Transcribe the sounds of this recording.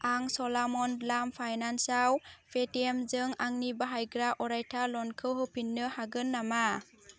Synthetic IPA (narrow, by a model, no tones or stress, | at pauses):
aŋsɔlamɔnlampʰajnansawpʰetiemzɯŋaŋnibaɦajɡɾaʔɔɾajtʰalɔnkʰɯɦɯpʰinːɯhaɡɯnːama